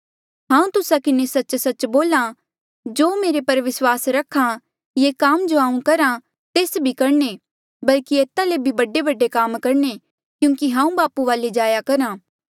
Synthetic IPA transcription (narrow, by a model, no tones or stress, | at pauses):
ɦãːũt̪ʊsakɪnesɐtːt͡ʃsɐt͡ʃboːlã | d͡ʒoːmeːɾepɐɾʋɪswaːsɾɐkʰã | jeːkaːmd͡ʒoɦãːũkɐɾã | t̪eːsbʱikɐɾɳe | bɐlkieːt̪alebʱibɐɖebɐɖekaːmkɐɾne | kjũːŋkiɦãːũbaːpuʋaːled͡ʒaːjakɐɾãː